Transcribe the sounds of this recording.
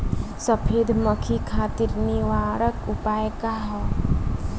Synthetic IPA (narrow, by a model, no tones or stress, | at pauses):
səpʰeːd̪ʱməkʰikʰaːt̪iɾniʋaːɾəkʊpaːjkaɦɔ